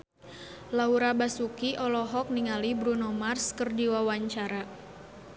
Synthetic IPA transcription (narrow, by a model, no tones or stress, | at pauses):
lauɾabasukiʔɔlɔɦɔk̚niŋalibɾunɔmarskərdiwawaɲt͡ʃaɾa